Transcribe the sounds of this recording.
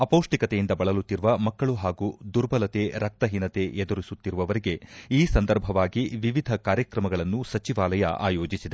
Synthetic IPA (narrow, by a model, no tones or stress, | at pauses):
ɐpoːʂʈikɐt̪ejind̪ɐbɐɭɐlut̪ːiɾuʋɐmɐkːɐɭuɦaːɡud̪uɾbɐlɐt̪e̞ɾɐk̚t̪ɐɦinɐt̪eed̪uɾisut̪ːiɾuʋɐʋɐɾiɡe̞iːsɐnd̪ɐɾbʱɐʋaːɡiʋiʋid̪ʱɐkaːɾjɐkɾɐmɐɡɐɭɐnːusɐt͡ʃiʋaːlɐjɐ̰ʔa̰ːjoːd͡ʒisid̪e